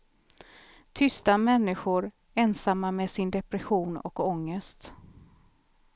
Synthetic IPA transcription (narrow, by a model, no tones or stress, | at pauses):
t̪ʰʏst̪amɛnːɪɧʊɾ | ɛnsamːamesɪnd̪ɛpɾɛɧuːnɔ̰kɔŋːəst̪